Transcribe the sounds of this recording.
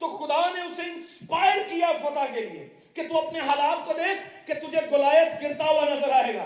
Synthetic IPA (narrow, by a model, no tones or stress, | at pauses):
t̪oxʊd̪aneʊseɪ̃nspaːjəɾkijapɐt̪akeliḛ | ket̪uɐpneɦalaːt̪kod̪eːkʰket̪ʊd͡ʒʱeɡʊlaːjət̪ɡɪɾt̪aɦuwanɐzəɾaːɦeːɡa̰ː